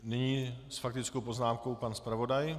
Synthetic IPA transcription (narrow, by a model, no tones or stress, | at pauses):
nɪɲiːsfakt̪ɪt͡skowpoznaːmkowpanspɾavo̞daj